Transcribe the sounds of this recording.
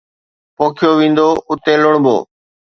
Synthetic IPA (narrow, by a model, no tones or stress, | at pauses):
poːkʰjoːʋĩːnd̪oːʔʊt̪ẽːlʊɳbo̰ː